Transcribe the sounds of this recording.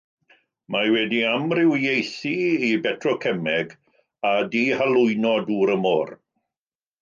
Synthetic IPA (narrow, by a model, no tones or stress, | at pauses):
majwɛdiamrɪwjejθiibɛtʰrɔkʰɛmɛɡ | adiːhalˠʊɨnɔduːɾəmoːr